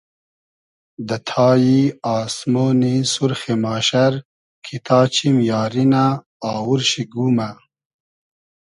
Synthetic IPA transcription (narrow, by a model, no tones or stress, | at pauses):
d̪ɐt̪ʰɑːjiɑːsmoːnisuɾxemaːɕɐɾ | kʰit̪ʰɑːt͡ɕʰimjɑːɾinaː | wuɾɕiɡuma